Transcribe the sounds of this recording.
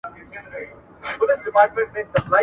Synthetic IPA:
bʊlɪsɖɪpaːɾʈmẽɳʈnẽsɐblaː

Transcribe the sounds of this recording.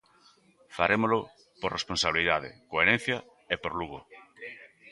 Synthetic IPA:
faɾemolʊ | poɾresponsaβliðaðɪ̰koeɾen̟θjɐ | epoɾluɣo

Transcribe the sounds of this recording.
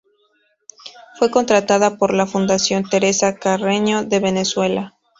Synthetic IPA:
fwe̞ko̞nt̪ɾat̪aðapo̞ɾlafund̪asjo̞nt̪e̞ɾe̞sakareɲo̞ðe̞βe̞ne̞swe̞la

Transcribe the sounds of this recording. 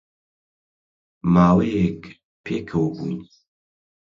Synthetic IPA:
maːwejek | pʰeːkʰɐwbṵːni

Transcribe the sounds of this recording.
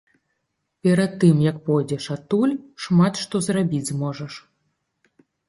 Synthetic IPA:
pʲɛɾat̪ːɨmjɐkpɔjd͡zʲɛʂat̪ulʲʂmat̪ʂt̪ɔzrabʲid͡zʲzmɔʐɐʂ

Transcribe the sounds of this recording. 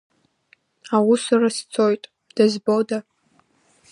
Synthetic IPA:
awusarast͡sʰo̞jtʼ | d̥azboda

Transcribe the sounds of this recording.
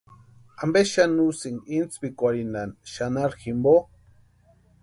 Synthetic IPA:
ambeʃanusiŋint͡spikʷaɾinanʃanaɾximbo

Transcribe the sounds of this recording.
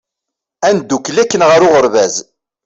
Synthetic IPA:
ænd̪ːukːlækːənʁəɾʊʁəɾvæz

